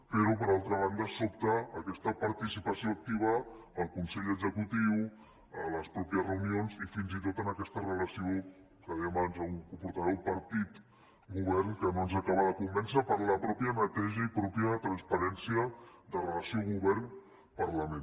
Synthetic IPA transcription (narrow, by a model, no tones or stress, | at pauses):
peɾup̬əɾalˠt̪ɾəβ̞and̪əsopt̪əːkɛst̪əpəɾt̪isipəsioək̚t̪iβ̞əːlˠkunsɛʎəɡzəkut̪iw | ələspɾɔpiəzrəunionzifinzit̪̬ot̪ənəkɛst̪ərələsio | kəðɛəmaβanzəuŋkupuɾt̪aβowpəɾt̪it̪ | ɡuβ̞ɛrnkənonzakaβəðəkumbɛnsəpəɾləpɾɔpjənət̪ɛʒəipɾɔpjət̪ɾanspəɾɛnsiəd̪ərələsioɣuβɛrn | pəɾləmẽn